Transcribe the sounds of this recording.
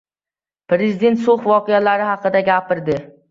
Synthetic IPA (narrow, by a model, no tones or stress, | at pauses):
pɾezɪd̪e̞nt̪soχvɒqʰejalaɾɪhɑqɨd̪aɡʲapɪɾd̪ɪ